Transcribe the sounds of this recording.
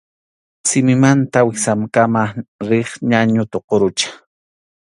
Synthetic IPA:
sɪmɪmant̪awɪsamkamaɾɪχɲaɲʊt̪oqoɾʊt͡ʃḁ

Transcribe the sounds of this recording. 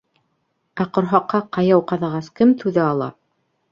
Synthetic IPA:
æqŏɾɦɑqʰːɑqɑjɑwqɑðɑʁɑskɘmt̪ʉðæɑlˠɑ̰

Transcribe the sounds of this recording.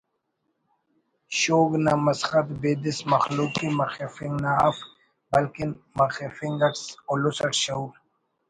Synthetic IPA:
ɕoːɡnamɐsxɐt̪beːd̪ismɐxluːkimɐxefiŋɡnaa̰f | bɐlkinmɐxefiŋɡɐʈsolusɐʈɕɐuɾ

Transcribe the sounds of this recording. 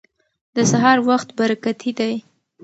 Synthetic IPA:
d̪əsaɦɑɾwaxt̪baɾakat̪ʰid̪aj

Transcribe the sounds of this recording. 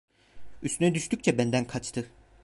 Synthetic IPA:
yst̪ynɛd̪yʃt̪yc̚ʲt͡ʃʰɛbænd̪ænkʰat͡ʃt̪ʰɯ

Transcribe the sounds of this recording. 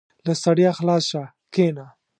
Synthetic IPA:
lasaɽjaxlɑsʃa | kena

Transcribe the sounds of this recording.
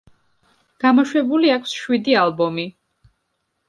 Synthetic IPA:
ɡ̥amɔʃwɛbuliakʰsʃwid̪ialˠbɔmi

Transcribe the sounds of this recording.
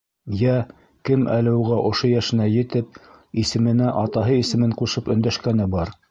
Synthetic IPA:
jæ | kɘmʔælɘ̆wʁæʔŏʃojæʃɘ̆næjɘ̆t̪ɘp̚isɘ̆mɘ̆næʔɑt̪ɑɦɤisɘ̆mɘɴquʃɤpɵ̆nd̪æʃkænɘbɑɾ

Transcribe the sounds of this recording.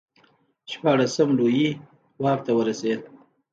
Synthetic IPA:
ʃpɑɽasəmloji | wɑk̚t̪awəɾased̪̚

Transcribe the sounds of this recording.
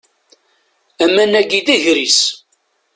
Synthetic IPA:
æmːænæɡiðiʝɾis

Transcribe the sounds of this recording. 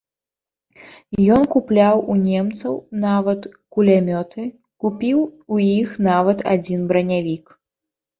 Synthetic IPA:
jɔnkuplʲawunʲɛmt̪sɐwnavɐt̪kulʲamʲɔt̪ʰɨ | kupʲiwujixnavɐt̪a̰d͡zʲinbɾɐnʲavʲik

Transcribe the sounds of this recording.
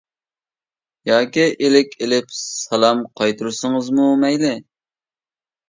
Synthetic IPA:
jɑːkʲiʔelɪkʲʰelɪpsɑlˠɑmqʰɑjt̪ʰuɾsɨŋɨzmumɛjlɪ

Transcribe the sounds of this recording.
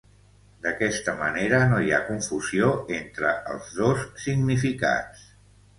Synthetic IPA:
d̪əkɛst̪əmə̰neɾənoja̰kuɱfuzioent̪ɾəə̰lˠzðosːiɡnifika̰t͡s

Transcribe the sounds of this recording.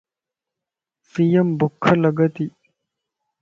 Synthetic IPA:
sijɐmbukʰːɐlɐɡɐt̪i

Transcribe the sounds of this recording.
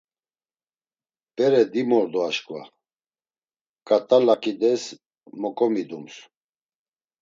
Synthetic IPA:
pʼɛɾɛd̪imɔɾd̪ɔaʃkʼva̰ | kʼat̪ʼalakʼid̪ɛs | mɔkʼɔmid̪ums

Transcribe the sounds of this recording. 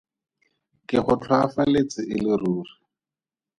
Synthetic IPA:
kɪχʊtʰwafalet͡sɪʔɪlɪruːri

